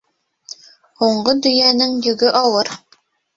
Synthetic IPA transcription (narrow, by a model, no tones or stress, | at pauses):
huɴɢod̪ɵ̆jænɘŋjɵ̆ɡɵʔɑlˠɤɾ